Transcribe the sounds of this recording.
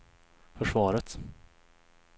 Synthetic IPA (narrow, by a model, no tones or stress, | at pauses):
fœʂvɑːɾət̪